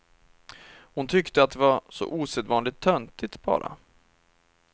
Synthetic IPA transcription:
hʊnt̪ʰʏkt̪əat̪̚d̪ɛvasɔ̰ʔuːsɛd̪vɑːnlɪt̪ʰːœnt̪ɪt̪b̥ɑ̰ːɾa̰

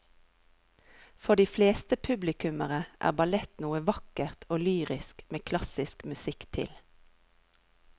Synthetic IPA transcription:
fɔd̪iːfleːst̪əpʰʉblɪkʉməʁəʔæ̰ːʁbɑlɛt̪nuːəʋɑkəʁt̪ʰoːlyːʁɪskmeːkʰlɑsɪskmʉsɪkt̪ʰɪ̰l

